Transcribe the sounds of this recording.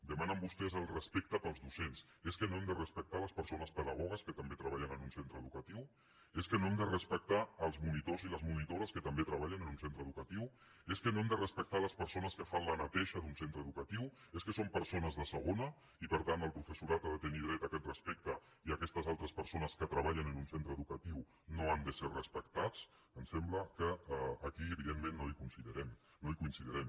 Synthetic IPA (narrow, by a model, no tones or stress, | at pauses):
d̪əmanəmbust̪ɛzəlˠrəspɛk̚t̪əpəlˠzðusens | eskənoɛmd̪ərəspək̚t̪aləspəɾsonəspəðəɣ̞ɔɣ̞əskət̪əmbet̪ɾəβaʎənənunsent̪ɾəðukət̪iw | eskənoɛmd̪ərəspək̚t̪aːlˠzmunit̪oziləzmunit̪oɾəskət̪əmbet̪ɾəβaʎənənunsent̪ɾəðukət̪iw | eskənoɛmd̪ərəspək̚t̪aləspəɾsonəskəfanlənət̪ɛʃəðunsent̪ɾəðukət̪iw | eskəsompəɾsonəzðəsəɣ̞onə | ipəɾt̪ant̪əlˠpɾufəsuɾat̪aðət̪əniðɾɛt̪əkɛt̪rəspek̚t̪ə | iəkɛst̪əzalˠt̪ɾəspəɾsonəskət̪ɾəβ̞aʎənənunsent̪ɾəðukət̪iw | noand̪əserrəspəkt̪at͡s | ənsɛmbləkəːkiəβiðemːẽnːoikunsiðəɾɛm | noikuinsiðəɾɛm